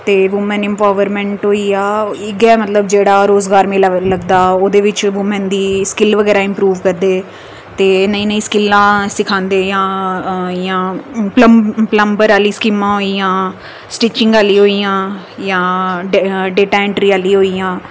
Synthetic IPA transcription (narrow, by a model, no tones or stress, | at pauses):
t̪eːʋʊmənɪmpaːʋəɾmɛ̃ːɳʈɦoːiːaːɪɡɛːmət̪ləb̚d͡ʒeːɽaːɾoːzɡaːɾmẽːləɡd̪aːoːd̪eːʋɪt͡ʃʋʊmənd̪iːskɪlʋəɡɛːɾaːɪmpɾuːʋkəɾd̪eː | t̪eːnəĩːnĩːskɪlːãːsɪkʰãːnd̪eːjãː | jãːpləpləmbəɾaːliːskɪmãːɦoːiːjãː | sʈɪːt͡ʃɪ̃ŋɡaːliːɦoːijãː | jãːɖɖeːʈaːɛ̃ɳʈɾiːaːliːɦoːiːjãː